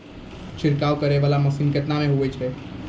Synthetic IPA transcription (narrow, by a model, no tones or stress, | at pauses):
t͡ʃʰiɾkawkəɾebalaməsinket̪nameɦuɛt͡ʃʰɛ